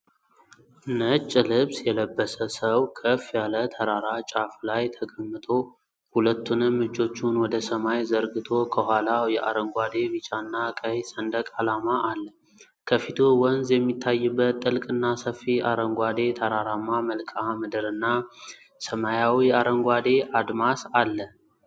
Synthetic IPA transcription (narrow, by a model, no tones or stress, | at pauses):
nət͡ʃʼːlɨβsjɛləbːəsəsəwkʰəfjalət̪ʰəɾaɾat͡ʃʼaflajt̪ʰəɡʼəmːɨt̪ʼʰo̞ | hulət̪ʰːunɨmːɨd͡ʒo̞t͡ʃːunwɔd̪əsəmajzəɾɡɨt̪ʰo̞kʰəhʷalajɛʔa̰ɾəŋɡʷad̪e̞βit͡ʃʼanːakʼəhsənd̪əkʼalamaʔalːə | kʰəfit̪ʰowɔnzjɛmːit̪ʰːajːɨbːət̪ʼːɨlkʼɨnːasəfːiaɾəŋɡʷad̪e̞t̪ʰəɾaɾamːaməlkʼamɨd̪ɨɾɨnːa | səmajawiaɾəŋɡʷad̪e̞ʔad̪masalːə